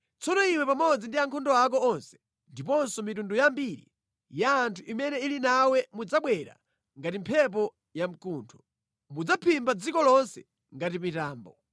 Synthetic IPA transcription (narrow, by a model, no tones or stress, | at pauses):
t͡sɔnɔiwɛpamɔd͡zindiaŋkʰɔndɔak̬ɔɔnsɛ̥ | ndipɔnsɔmitundujambiɾḭ | jaːntʰuʔimɛnɛilinawɛmud͡zaɓwɛɾa̰ | ŋɡatimpʰɛp̬ɔ | jam̩kuːntʰɔ̥ | mud͡zapʰimbad͡zikɔlɔnsɛ̥ | ŋɡatipitaːmbɔ